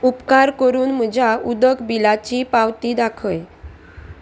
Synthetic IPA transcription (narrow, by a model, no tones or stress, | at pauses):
upkaɾkəɾuːnm̤əd͡ʑʱaud̪əkbilat͡ɕiːpawt̪iːd̪akʰəj